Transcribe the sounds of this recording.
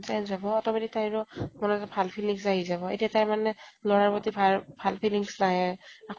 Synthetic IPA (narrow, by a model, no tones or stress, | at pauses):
zajnzabɔɔtɔmatitajɹɔmɔnɔɔbʱalpʰiliŋsaɦizaβɔḛtijataɹmanɛlɔɹaɹpɔtibʱabʱalpʰiliŋsnaɦɛakʰ